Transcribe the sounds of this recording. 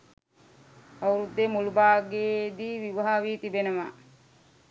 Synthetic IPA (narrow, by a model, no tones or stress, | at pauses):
awuɾud̪ːemulubaːɡeːd̪iːʋiʋəɦaʋiːt̪ibenəʋa